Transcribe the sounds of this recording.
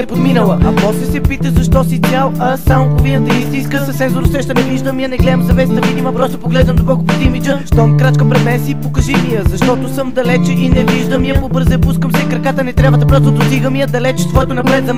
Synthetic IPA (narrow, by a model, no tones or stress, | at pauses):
ɛpod̪minəlˠɐʔɐpɔst̪lɛsɛpit̪əzɐʃt̪ɔsit̪ʲalˠɐsampʊvlinət̪ɛist̪iskəsɐsɛnzoɾʊsɛʃt̪ɐnɛviʒd̪əmiənɛɡlɛd̪əmzɐvɛsit̪ɐvid̪ʲimɐpɾɔst̪ʊpʊɡlɛʒnɐmd̪okɔlˠkʊpʊd̪imid͡ʒəʃt̪ɔmkɾat͡ʃkəpɾɛd̪mɛnsiːpokɐʒimiəzɐʃt̪ɔt̪ʊsəmd̪ɐlɛt͡ʃinɛviʒd̪əmiəmʊbəɾzəɐpuskəmsɛkɾɐkat̪ɐnɛt̪ɾjavət̪ɐpɾɔst̪ʊd̪ʊsiɡəmiəd̪ɐlɛt͡ʃst̪vɔɛt̪ʊnɐpɾɛt̪zɐ